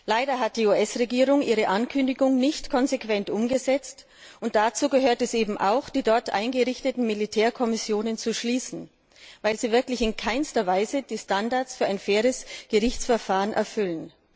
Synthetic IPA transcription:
laɪdɐɦat̚d̥iːuːʔɛsʁeɡiːʁʊŋʔiːʁ̞əʔankʰʏndɪɡʊŋnɪçtkʰɔnzekv̥ɛntʔʊmɡəzɛt͡st | ʔʊnt̚d̥at͡suːɡəɦøːɐtɛsʔeːbm̩ʔa̰ʊxd̥iːdɔɐtʔa̰ɪnɡəʁɪçtətn̩militʰɛːɐkʰɔmɪsjoːnənt͡suʃliːsn̩ | vaɪlziːvɪɐklɪçɪnkʰaɪnstɐvaɪzəd̥iːstandaɐt͡sfyːɐaɪnfɛːʁ̞əsɡ̥əʁɪçt͡sfɛɐfaːʁənʔɛ̰ɐfʏlən

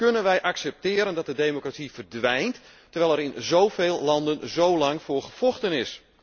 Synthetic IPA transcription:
kɵnənʋɛjʔɑksɛp̚tɪːɾəndɑt̚dədejmokratsivərdʋɛjntː | ərʋɛjlɛɾɪnzowveːlˠlɑndənzowlɑŋfʊːrχəv̥ɔlˠxtənɪs

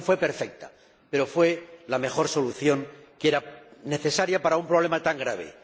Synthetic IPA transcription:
fwe̞pe̞ɾfe̞k̚t̪a | pe̞ɾo̞fwe̞lame̞xo̞ɾso̞luθjo̞ŋkeɾane̞θe̞saɾjapaɾaumpɾoβ̞le̞mat̪aŋɡɾaβ̞ḛ

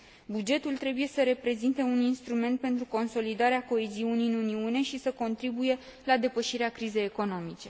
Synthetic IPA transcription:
bud͡ʒe̞t̪ult̪ɾe̞buje̞səɾe̞pɾe̞zint̪e̞uninst̪ɾume̞nt̪̚pe̞nt̪ɾuko̞nso̞lid̪aɾeako̞eziuniɨnuniune̞ʃisəko̞nt̪ɾibuje̞lad̪e̞pəʃiɾeakɾize̞jeko̞no̞mit͡ʃe̞

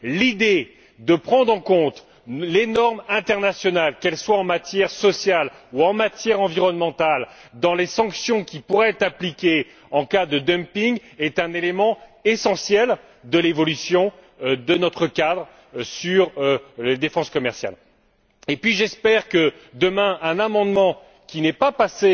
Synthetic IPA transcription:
lid̪e | d̪əpχɑ̃d̪ʁɑ̃kɔ̃t̪ | lenɔʁmɛ̃t̪ɛʁnasjɔnalkɛlswaɑ̃mat̪jɛʁsɔsjal | uɑ̃mat̪jɛʁɑ̃viʁɔnmɑ̃t̪ald̪ɑ̃lesɑ̃ksjɔ̃kʲipuʁɛɛt̪χaplikʲe | ɑ̃kad̪əd̪œmpiŋɡɛt̪ɛ̃nelemɑ̃esɑ̃sjɛl | d̪əlevɔlysjɔ̃ | d̪ənɔt̪χəkad̪ʁ | syʁled̪efɑ̃skɔmɛʁsja̰l | epɥiʒɛspɛʁkəd̪əmɛ̃ʔɛ̃namɑ̃d̪mɑ̃ | kʲinɛpapase

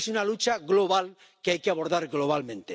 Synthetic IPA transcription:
sunalut͡ʃaɣlo̞β̞al | keajkeaβ̞o̞ɾðaɾɣlo̞β̞almẽ̞nt̪e

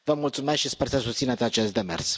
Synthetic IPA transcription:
vəmult̪sumesk̪ʃispersəsust̪sinet̪sʲat͡ʃe̞st̪̚d̪emḛrs

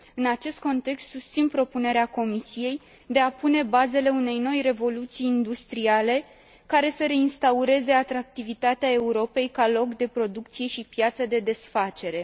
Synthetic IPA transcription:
ɨnat͡ʃe̞st̪̚ko̞nt̪e̞kst̪sust̪sinpɾo̞pune̞ɾeako̞misije̞j | d̪e̞apune̞baze̞le̞une̞jno̞jre̞vo̞lut̪sijːnd̪ust̪ɾiale̞ | kaɾe̞səɾe̞inst̪auɾe̞ze̞at̪ɾak̚t̪ivit̪at̪eae̞uɾo̞pe̞jkalo̞kd̪e̞pɾo̞d̪ukt̪sije̞ʃipjat̪səd̪e̞d̪e̞sfat͡ʃe̞ɾe̞

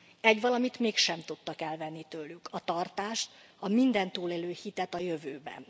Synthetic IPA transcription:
ɛɟʋɒlɒmit̪meːkʃɛmt̪ut̪ːɒkɛlvɛnːit̪øːlːykʰɒt̪ɒrt̪aːʃt̪ | ɒmind̪ɛnt̪uːleːløːhit̪ɛt̪ɒjøvøːbɛ̰n

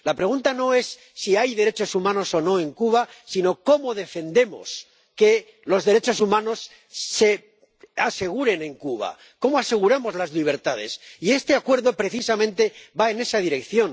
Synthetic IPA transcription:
lapɾe̞ɣ̞unt̪ano̞e̞sːiajðe̞ɾe̞t͡ʃo̞sumãno̞so̞no̞e̞ŋkuβasino̞ko̞moðe̞fe̞nd̪e̞mo̞̰s | ke̞ | lo̞zðe̞ɾet͡ʃo̞sumãno̞sː | e | ase̞ɣ̞uɾe̞nẽ̞ŋkuβa̰ | ko̞moase̞ɣ̞uɾamo̞zlazliβ̞e̞ɾt̪að̞e̞̰sie̞st̪e̞akwe̞ɾðo̞pɾe̞θisamẽnt̪e̞βae̞ne̞sað̞iɾe̞kθjo̞n

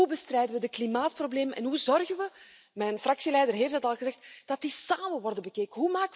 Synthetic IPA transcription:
ubəstrɛjdəʋədəklimaːt̚probleːmənʔɛ̰nɦuzɔrɣənʋə | mɛjnfrɑksilɛjdərɦeːftdətɑlˠɣəzɛxtd̥ɑtdisaːməʋɔrdəbəkeːkəɦumaːkə

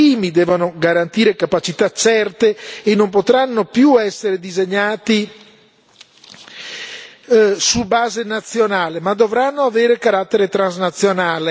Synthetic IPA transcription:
iːmid̪ɛːvonoɡaɾant̪iːɾekapat͡ʃit̪at͡ʃɛrt̪eːnːompot̪ɾanːopjuɛsːeɾed̪izeɲːaːt̪i | subaːzenat̪sːjonaːlemad̪ovɾanːoaveːɾekaɾat̪ːeɾet̪ɾanznat̪sːjonaːle

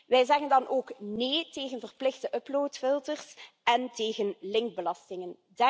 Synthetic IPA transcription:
ʋɛjzɛɣəndɑnʔoːkneːteːɣənvərplɪxdəʔɵploːtfɪlˠtərsʔɛnteːɣənlɪŋɡ̚bəlɑstɪŋən | d

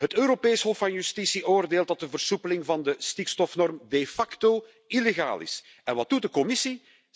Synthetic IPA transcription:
ɦətøːɾopeːsɦɔfːɑnjystisiʔoːrdeːlˠt̚dɑt̚dəvərsupəlɪŋvɑndəstikstɔfnɔrmdefɑkto | ileɣa̰ːlɪ̰s | ɛnʋɑt̚dut̚dəkɔmɪsi

